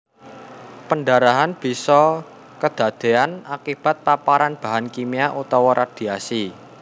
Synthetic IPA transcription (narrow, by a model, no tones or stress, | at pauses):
pənɖaɾaɦanb̥i̤sɔ | kəd̪̥ä̤d̪̥e̤anakib̥a̤t̪̚papaɾanb̥a̤ɦankimiaʔut̪ɔwɔɾʔad̪̥i̤asi